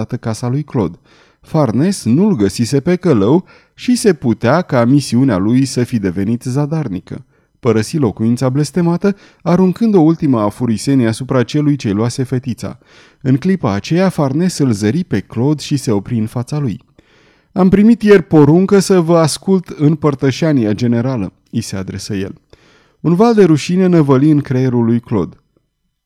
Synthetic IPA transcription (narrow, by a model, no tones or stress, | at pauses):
at̪əkasalujklo̞̰d̪ | farne̞snulɡəsise̞pe̞kələw | ʃise̞put̪eakamisiunea̰lujsəfid̪e̞ve̞nit̪zad̪arnikə̰ | pəɾəsilo̞kuint̪sable̞st̪e̞mat̪ə | aɾuŋkɨnd̪o̞ult̪iməafuɾise̞niasupɾat͡ʃe̞lujt͡ʃe̞jloase̞fe̞t̪it̪sa̰ | ɨŋklipaːt͡ʃe̞jafarne̞sɨlzəɾipe̞klo̞d̪ʃise̞o̞pɾiɨnfat̪saluj | ampɾimit̪je̞rpo̞ɾuŋkəsəvəaskult̪ɨnpərt̪əʃaniad͡ʒe̞ne̞ɾalə | ise̞ad̪ɾe̞səje̞̰l | unvald̪e̞ɾuʃine̞nevəliɨŋkɾeeɾulːujklo̞̰d̪